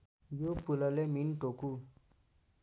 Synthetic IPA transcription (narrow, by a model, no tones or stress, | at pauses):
jopulʌleminʈoku